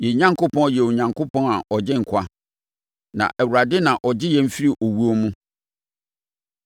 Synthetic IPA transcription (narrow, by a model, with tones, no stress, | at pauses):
jɛ˨ɲã˦ŋkʰo˦pʰɔ̃˦n˨jɛ˨o˨ɲã˨ŋkʰo˦pʰɔ̃˦na˨ʔɔ˨d͡ʑɪ˦ŋ̩˨kʷʰa˦ | nã̰˨ʔɛ˨wu˨ɾa˨dɪ˦nã˨ʔɔ˨d͡ʑɪ˦jɛ̃˦m̩˦fi˦ɾi˦ʔɔ˨wu˦ɔ˦mũ˦